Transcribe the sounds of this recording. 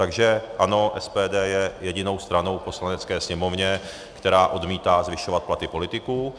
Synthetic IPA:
t̪aɡʒɛʔano̞ʔɛspɛːdɛːjɛjɛɟɪno̞wst̪ɾano̞wpo̞slanɛt͡skɛːsɲɛmo̞vɲɛ | kt̪ɛɾaːʔo̞dmiːt̪aːzvɪʃovat̪plat̪ɪpo̞lɪt̪ɪkuː

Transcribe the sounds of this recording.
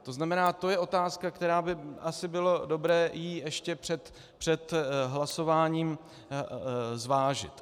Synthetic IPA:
t̪o̞znamɛnaːt̪o̞jɛʔo̞t̪aːskakt̪ɛɾaːbɪasɪbɪlo̞do̞bɾɛːjiːʔɛʃcɛpr̥ɛt̪ | pr̥ɛt̪ɦlaso̞vaːɲiːm | zvaːʒɪ̰t̪

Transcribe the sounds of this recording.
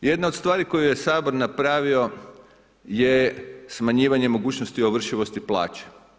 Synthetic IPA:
je̞d̪naod̪st̪ʋaːɾiko̞jujesaːbo̞ɾnapɾaːʋio̞ | jesmaɲiːʋaɲe̞mo̞ɡuːt͡ɕnost̪ioʋr̩ʃiʋo̞st̪iplˠa̰ːt͡ɕe̥

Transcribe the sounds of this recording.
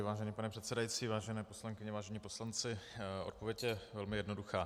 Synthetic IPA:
vaːʒɛniːpanɛpr̥ɛt̪sɛdajit͡siːvaːʒɛnɛːpo̞slaŋkɪɲɛvaːʒɛɲiːpo̞slant͡sɪʔot̪̚po̞vjɛcjɛvɛlmɪjɛdno̞duxaː

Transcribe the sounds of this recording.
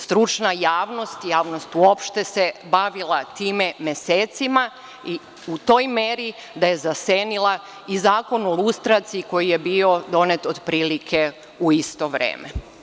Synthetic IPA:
st̪ɾut͡ʃnajaːʋno̞st̪jaːʋno̞st̪uo̞pʃt̪e̞sebaʋilˠat̪iːmemjeseːt̪sima | i | ut̪o̞jmeɾi | d̪aje̞zaseːnilˠa | izaːko̞nolust̪ɾat̪siiko̞jijebio̞d̪o̞net̪od̪pɾiːlikʰe̞ | uist̪o̞ʋɾḛːme

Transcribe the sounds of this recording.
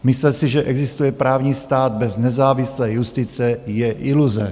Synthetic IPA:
mɪslɛsɪʒɛʔɛɡzɪst̪ujɛpɾaːvɲiːst̪aːd̪̚bɛznɛzaːvɪslɛːjust̪ɪt͡sɛjɛʔɪluzɛ

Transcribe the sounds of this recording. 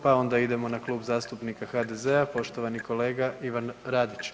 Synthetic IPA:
pao̞nd̪aid̪e̞mo̞naklˠuːbzaːst̪upnikaxaːd̪ezeapo̞ʃt̪o̞ʋaniko̞le̞ːɡaʔiʋanɾaːd̪it͡ɕ

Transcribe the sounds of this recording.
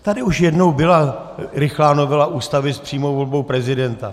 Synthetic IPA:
t̪adɪuʃjɛdno̞wbɪla | ɾɪxlaːno̞vɛlaʔuːst̪avɪspr̥iːmowvo̞lbo̞wpɾɛzɪdɛnt̪a

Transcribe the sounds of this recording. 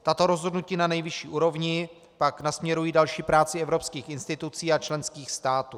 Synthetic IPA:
t̪at̪o̞ɾo̞zɦo̞dnuciːnanɛjvɪʃiːʔuːɾo̞vɲɪ | paknasmɲɛɾujiːdalʃiːpɾaːt͡sɪɛvɾo̞pskiːxɪnst̪ɪt̪ut͡siːat͡ʃlɛnskiːxst̪aːt̪uː

